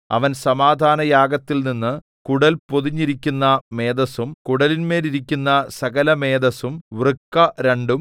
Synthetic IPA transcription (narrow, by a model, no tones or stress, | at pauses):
ɐ̰ʋɐnsɐmaːd̪ʱaːnɐjaːɡɐt̪ːilninːɨ | kuɽɐlpo̞ðiɲːiɾikʲːunːɐme̞ːd̪ɐsumkuɽɐlinme̞ːɾiɾikʲːunːɐsɐɣɐlɐme̞ːd̪ɐsumʋrɨkːɐɾeɳɖum